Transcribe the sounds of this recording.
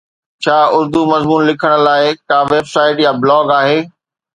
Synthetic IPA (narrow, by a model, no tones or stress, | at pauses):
t͡ɕʰaːʊɾd̪umɐzmuːnlɪkʰəɽ̃̆laːɪkaːʋeːbsaːɪʈjablɔːɡaːɦeː